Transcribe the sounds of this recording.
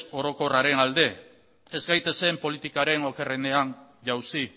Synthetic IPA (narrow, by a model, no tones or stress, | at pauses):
o̞ɾo̞ko̞raɾe̞nald̪e̞ | e̞zɡajt̪e̞se̞mpo̞lit̪ikaɾe̞no̞ke̞rene̞an | ʝawsi